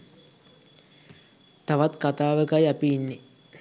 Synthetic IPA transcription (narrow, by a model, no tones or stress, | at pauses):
t̪aʋat̪kat̪aːʋəkajapiːnːi